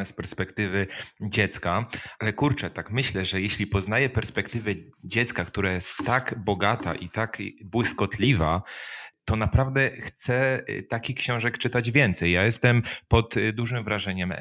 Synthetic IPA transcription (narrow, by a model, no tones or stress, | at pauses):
ɛspɛɾspɛkt̪ɘvɘd͡ʑɛt̪skaalɛkuɾt͡ʂɛt̪akmɘɕlɛʐɛjɛɕlʲipɔznajɛpɛɾspɛkt̪ɘvɛd͡ʑɛt̪skakt̪uɾajɛst̪ːaɡbɔɡat̪a̰ʔḭt̪akbwɘskɔt̪lʲivat̪ɔnapɾavd̪ɛxt̪sɛt̪akʲikɕɔ̃w̃ʐɛkt͡ʂɘt̪ad͡ʑvʲjɛnt̪sɛjːajɛst̪ɛmpɔt̪d̪uʐɘmvɾaʐɛɲɛm